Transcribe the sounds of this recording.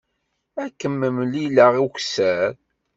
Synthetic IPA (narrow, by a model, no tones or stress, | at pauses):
ækːəmːəmliləʁiçsæɾ